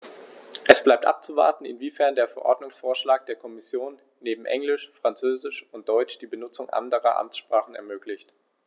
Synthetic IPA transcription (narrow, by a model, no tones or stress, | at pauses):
ʔɛsb̥laɪp̚tʔa̰p̚t͡suva̰ɐtn̩ɪ̰nviːfɛɐndeːɐfɛɐʔɔɐdnʊŋsfoːɐʃlaːk̚d̥eːɐkʰɔmɪsjoːnːeːbm̩ʔɛ̰ŋlɪʃfʁ̥ant͡søːzɪʃʊnt̚d̥ɔʏt͡ʃd̥iːbənʊt͡sʊŋʔa̰ndəʁɐ̰ʔa̰mt͡sʃpʁ̥aːχn̩ɛ̰ɐmøːklɪçt